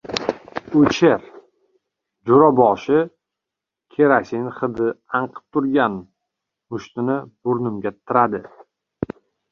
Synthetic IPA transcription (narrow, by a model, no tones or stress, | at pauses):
ot͡ʃʰeɾ | d͡ʒʊɾɒbɒʃɪ | kʲʰeɾasɪŋχɨd̪ɪaɴqʰɨ̥p̚t̪ʰʊɾɡʲan | mʊʃt̪ɪnɪb̥ʊɾnɪmɡʲat̪ʰɪɾad̪ɪ